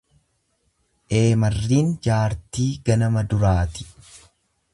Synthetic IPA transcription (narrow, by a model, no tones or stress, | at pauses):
ʔe̞ːmɐrːiːnd͡ʒaːɾt̪iːɡɐnɐmɐd̪ʊɾaːt̪ɪ̥